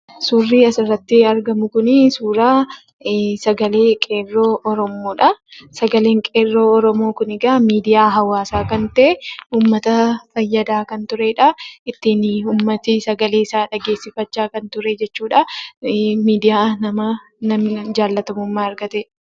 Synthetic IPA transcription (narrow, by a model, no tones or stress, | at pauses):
suːrːiːɐsɪrːɐt̪ːɪɐɾɡɐmʊkʊnɪsuːɾaː | sɐɡɐleːkʼe̞ːrːo̞ːʔɔɾɔmo̞ːᶑɐsɐɡɐleːŋkʼeːrːo̞ːɔɾɔmo̞ːkʊnɪɡaːmiːd̪ɪjaːɦɐwaːsaːkɐnt̪ɐʔeuːmːɐt̪ɐfɐjːɐd̪aːkɐnt̪ʊɾeːᶑɐɪt̪ːinuːmːɐt̪ɪsɐɡɐle̞ːɪsaːᶑɐɡeːsːɪfɐt͡ʃːaːkɐnt̪ʊɾed͡ʒɛt͡ʃːuːᶑɐ | miːd̪ɪjaːnɐmɐ | nɐmd͡ʒaːlːɐt̪ɐmʊmːaːɐɾɡɐt̪e